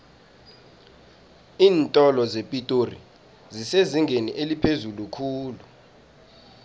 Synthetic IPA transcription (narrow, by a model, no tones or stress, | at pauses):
iːntʼɔlɔzepʼitʼorḭ | ziseziŋɡʱeniʔelipʰezulukʰuːlu